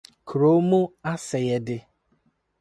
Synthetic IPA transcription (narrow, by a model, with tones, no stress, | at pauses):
kʰɾo˦mʊ˦a˦sɪ˨ɣe˨dɪ˨